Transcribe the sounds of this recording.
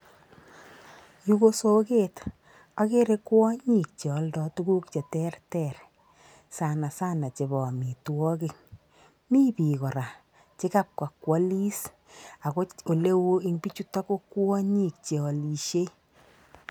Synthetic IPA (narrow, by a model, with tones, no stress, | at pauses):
ju˦ko˦so˦ke˦t | a˦ke˦ɾe˦kwɔ˦ɲi˨k̚t͡ʃe˨ɔ˨˦ldɔ˦tu˦ɡu˦kt͡ʃe˨tɛ˦rtɛ˦˨ɾ | sa˨na˨sa˦na˨t͡ʃe˨bɔ˨mi˨twɔ˦ki˦˨ŋ | mi˦pi˨kɔ˨ɾa˨ | t͡ʃe˦ka˦p̚kwa˨kwɔ˦li˦s | a˨ko˦o˨le˦wu˦i˦ŋpi˦t͡ʃu˦ta˦ko˦kːwɔ˦ɲi˦˨k̚t͡ʃe˨ɔ˨li˨ʃe˦